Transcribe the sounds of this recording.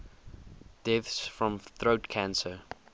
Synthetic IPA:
d̥ɛθsfɹɔ̃mθɹotkʰãnsə

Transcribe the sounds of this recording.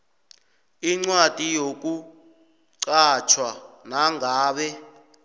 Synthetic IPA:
iŋ͡ǀwad̥ʱijok̬u | ǀat͡ʃʰwanaŋɡʱaːɓɛ

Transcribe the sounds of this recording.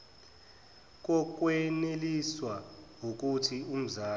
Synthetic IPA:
k̬ɔk̬weneliswawok̬utʰium̩zaː

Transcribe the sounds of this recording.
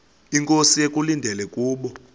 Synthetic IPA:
iŋkʼosijek̬ʼulindʱɛlɛkʼuːɓɔ

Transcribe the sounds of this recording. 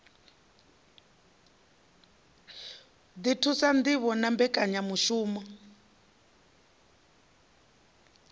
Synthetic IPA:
ditʰusand̪iβɔnambɛkʼaɲamuʃuːmɔ

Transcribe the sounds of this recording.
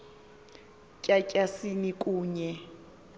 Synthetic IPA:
cʼacʼasinikʼuːɲɛ

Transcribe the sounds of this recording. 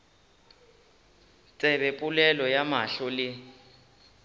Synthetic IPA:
t͡sʼɛβɛpʼulɛlɔjamaɬɔlɪ

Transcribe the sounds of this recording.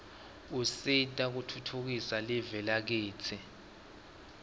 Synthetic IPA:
usitʼak̬utʰutʰuk̬isalɛvɛlak̬eːt͡sʰɛ

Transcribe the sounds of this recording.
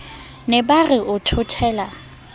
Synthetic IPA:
nɛbarɪʔʊtʰʊtʰɛːla

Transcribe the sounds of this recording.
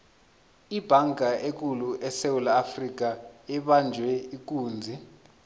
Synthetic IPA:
ib̥ʱaŋɡʱaek̬ʼuluʔɛsewulaːfrik̬aɛɓand͡ʒʱwɛik̬ʼuːnd͡zʱi

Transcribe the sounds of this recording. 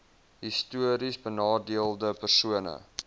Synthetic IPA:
ɦistuəɾisbənɑːdiəlˠdəpərsuənə̰

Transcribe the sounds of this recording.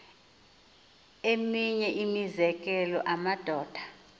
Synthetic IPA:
emiɲɛʔimizɛk̬ʼɛlɔʔamad̥ʱɔːd̥ʱḁ

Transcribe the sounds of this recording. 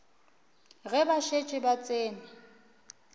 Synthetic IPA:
ɣɛbaʃet͡ʃʼɪbat͡sʼeːna

